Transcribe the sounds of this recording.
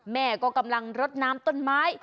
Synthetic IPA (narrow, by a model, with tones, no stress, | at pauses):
mɛ̰˧˩˨kɔ˨˦kə˧˩mla˨˩ŋzə˦˥t̚naː˨˦mt̪ə˧nmaː˨˦j